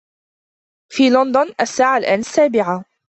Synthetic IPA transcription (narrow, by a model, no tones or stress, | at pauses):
fiːlɔnd̪ʊnʔasːaːʕalʔaːnasːaːbɪʕa